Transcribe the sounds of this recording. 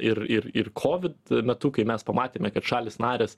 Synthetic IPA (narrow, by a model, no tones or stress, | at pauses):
ɪɾɪɾɪrkʰoːʋʲɪt̪mʲɛt̪ʊkɐɪmʲɛspɐmɑːt̪ʲeːmʲɛkɐt̪ʃɑːlʲeːsnɑːɾʲeːs